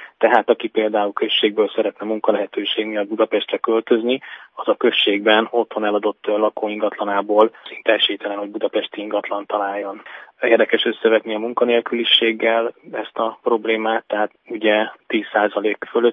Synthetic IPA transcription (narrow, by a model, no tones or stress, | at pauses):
t̪ɛɦaːt̪ɒkipeːld̪aːulkø̞ʃːeːɡ̚bøːlsɛɾɛt̪nɛmuŋkɒlɛɦɛt̪øːʃeːɡmijɒd̪̚bud̪ɒpɛʃt̪rɛkø̞lt̪ø̞zniɒzɒkø̞ʃːeːɡbɛno̞t̪ho̞nɛlɒd̪o̞t̪ːlɒkoːiŋɡɒt̪lɒnaːboːlsint̪ɛɛʃeːt̪ɛlɛnho̞ɟ̚bud̪ɒpɛʃt̪iiŋɡɒt̪lɒnt̪ɒlaːjːo̞neːrd̪ɛkɛʃø̞sːɛvɛt̪niɒmuŋkɒneːlkyliʃeːɡːɛlɛst̪ɒpro̞bleːmaːt̪ːɛɦaːt̪uɟɛt̪ːiːsːaːzɒleːkføløt̪ː